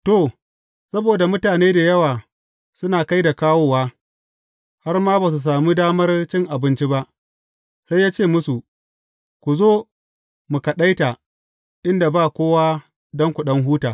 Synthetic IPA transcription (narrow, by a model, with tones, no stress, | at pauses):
to˨ | sɐ˦boː˨da˨mʊ˦taː˨neː˦da˨jɐ˦waː˨ | sʊ˦naː˨ka˦jda˨kaː˦woː˦waː˦ | ha˦rmaː˦ba˨s̬u˨s̬aː˨mu˦daː˦mɐ˦rt͡ʃɪ˦ŋʔa˨bɪ˦nt͡ʃi˦ba˦ʔ | sa˦jːaː˦t͡ʃeː˦˨mʊ˦su˨ | kʷu˨zoː˦ | mu˨kɐ˨ɗa˦jta˨ | ʔɪ˦nda˨baː˦˨kʷoː˦waː˦ | dɔ˦ŋkʷu˨ɗɐ˦ŋɦuː˦taː˨